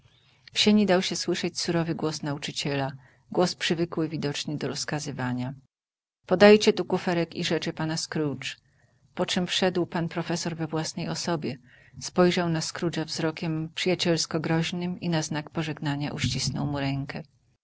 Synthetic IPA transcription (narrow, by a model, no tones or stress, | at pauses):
fɕeɲid̪awɕɛswɘʂɛt͡ɕsuɾɔvɘɡwɔsnaut͡ʂɘt͡ɕɛla | ɡwɔspʂɘvɘkwɘvʲid̪ɔt͡ʂɲɛd̪ɔɾɔskazɘvaɲa | pɔd̪ajt͡ɕɛt̪ukufɛɾɛkiʐɛt͡ʂɘpanaskɾut͡ʂ | pɔt͡ʂɛmfʂɛd̪wpanpɾɔfɛsɔɾvɛvwasnɛjɔsɔbʲjɛ | spɔjʐawnaskɾud͡ʐavzɾɔkʲɛmpʂɘjat͡ɕɛlskɔɡɾɔʑnɘminaznakpɔʐɛɡnaɲa̰ʔuɕt͡ɕisnɔ̰wmuɾɛŋkɛ